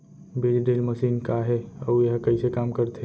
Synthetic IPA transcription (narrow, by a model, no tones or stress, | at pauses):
bilɖelməsiːnkaɦeəujɐɦãkəɪsekaːmkəɾt̪ʰe